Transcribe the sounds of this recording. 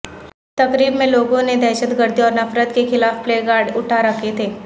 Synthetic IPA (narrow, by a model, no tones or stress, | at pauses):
t̪ɐkɾiːbmẽloːɡõned̪ɛːʃət̪ɡəɾd̪iɔːɾnɐfɾət̪kexɪlaːfpleːɡaːɾɖʊʈʰaɾɐkʰet̪ʰeː